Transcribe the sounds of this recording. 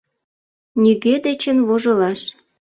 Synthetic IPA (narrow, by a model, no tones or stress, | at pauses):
nʲyɣed̪et͡ɕənβoʒə̆lɑʃ